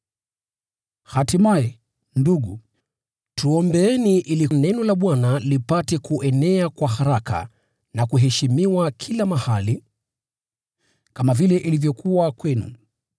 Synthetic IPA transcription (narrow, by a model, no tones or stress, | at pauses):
hatimaɛ | nduɠu | tʰuɔmbɛɛniʔilinɛnɔlaɓwanalipatɛkuʔɛnɛakwahaɾaka̰ | nakuɦɛʃimiwakʰilamahali | kamavilɛʔilivjɔkʰuwakwɛnṵ